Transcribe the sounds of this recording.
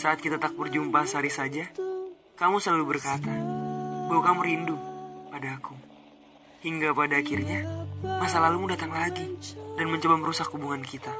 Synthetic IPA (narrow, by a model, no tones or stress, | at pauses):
saːt̪̚kit̪at̪ak̚bərd͡ʒumpasəaɾisad͡ʒa | kamusəlalubərkat̪abawakamuɾindupadaːku | hiŋɡapadaːkirɲamasalalumudat̪aŋlaɡidanməɲt͡ʃəbaməɾusakhubuŋankit̪a